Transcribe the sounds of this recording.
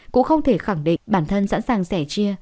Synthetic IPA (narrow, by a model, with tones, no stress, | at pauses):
kʊ̰˧˥ŋxə˧wŋ͡mt̪ʰe˧˩xa˧˩ŋɗḭ˧˨ŋɓaː˧˩nt̪ʰə˧nsa̰ː˧˥nsaː˨˩ŋsɛ˧˩t͡ɕi˧ə